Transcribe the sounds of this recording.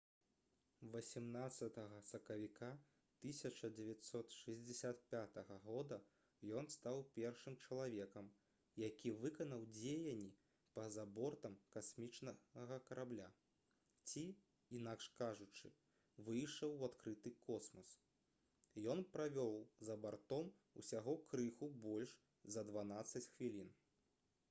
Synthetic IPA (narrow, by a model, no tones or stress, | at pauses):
vɐsʲimnat̪sːɐt̪ɐɣɐsɐkɐvʲika | t̪ɨsʲɐt͡ʂɐd͡zʲɛvʲat̪ʲsɔt̪ʂɨzʲd͡zʲɛsʲat̪̚pʲat̪ɐɣɐɣɔd̪ɐ | jɔnst̪awpʲɛrʂɨmt͡ʂɐlˠavʲɛkɐm | jakʲivɨkɐnɐwd͡zʲejɐnʲːi | pɐzabɔrt̪ɐmkasmʲit͡ʂnɐɣɐkɐɾʔablʲa | t͡sʲi | inakʂkaʐut͡ʂɨ | vɨjʂɐwat̪kɾɨt̪ɨkɔsmɐs | jɔnpɾavʲɔwzɐbart̪ɔm | ṵsʲaɣɔkɾɨxubɔlʲʂ | zɐd̪vanat̪sːɐt͡sʲxvʲilʲin